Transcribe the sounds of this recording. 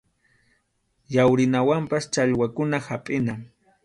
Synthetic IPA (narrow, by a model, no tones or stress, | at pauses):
jawɾɪnawampast͡ʃaʎwakʊnahapʼɪna